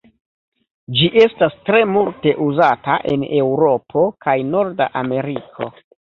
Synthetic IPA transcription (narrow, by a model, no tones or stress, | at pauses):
d͡ʒiʔe̞stastɾe̞multe̞ʔuzataʔe̞̰ne̞wɾo̞pʰo̞kajno̞ɾdaʔame̞ɾikʰo̞̰